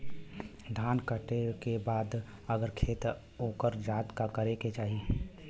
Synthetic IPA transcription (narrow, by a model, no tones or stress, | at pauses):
d̪ʱaːnkəʈekebaːd̪ | əɡəɾkʰeːt̪ | oːkəɾd͡ʒaːt̪kakəɾeket͡ʃaːɦi